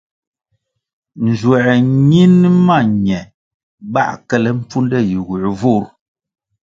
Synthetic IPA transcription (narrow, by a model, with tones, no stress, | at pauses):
n̩˨d͡ʒwɛ˨ɲi˦n˦ma˦˨ɲɛ˨ | ba̰˦ʔkɛ˦lɛ˦m̩˦p͡fu˦ndɛ˦˨ji˨ɣu˨ʔvu˦˨˦ɾ